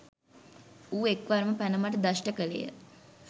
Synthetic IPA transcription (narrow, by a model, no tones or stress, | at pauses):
uːekʋaɾməpænəmaʈəd̪aʃʈəkəlḛjə̰